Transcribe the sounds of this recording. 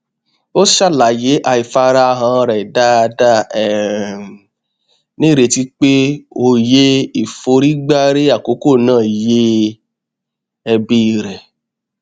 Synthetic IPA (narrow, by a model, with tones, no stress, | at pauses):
o˦ʃa˦˨la˨je˨˦ʔa˧i˨fa˧˦˧ɾa˦˧ɦã˧˦˧ɾɛ˨da˦˧da˦ɛ˨ | nĩ˦ɾe˧ti˦k͡pe˦o˦˧˨je˦i˦˨fo˧ɾi˦ɡ͡ba˦ɾe˦a˦˨ko˨˦ko˦˨nãː˦˨je˦ | ɛ˧bi˧i˧ɾɛ˨